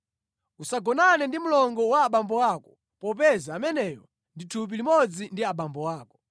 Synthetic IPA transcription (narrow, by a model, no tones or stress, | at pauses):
usaɡɔnanɛndimulɔŋɡɔwaːɓambɔwaːkɔ̥ | pɔp̬ɛzaːmɛnɛːjɔ | nditʰup̬ilimɔd͡zindiaɓambɔwaːkɔ̥